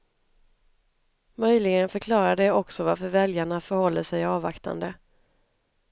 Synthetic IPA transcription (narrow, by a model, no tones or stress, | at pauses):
mœjlɪɡənfœɾkʰlɑːɾad̪ɛɔksɔvaɾfœɾvɛljaɳafœɾhɔlːəʂɛjɑːva̰kt̪a̰nd̪ə